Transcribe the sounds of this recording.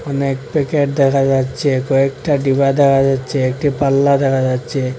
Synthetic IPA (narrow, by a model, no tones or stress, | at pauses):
ɔnek̚pekeʈ̚d̪ɛkʰad͡ʑatːʃʰekɔekʈaɖibad̪ɛkʰad͡ʑatːʃʰeekʈipalːad̪ɛkʰad͡ʑatːʃʰe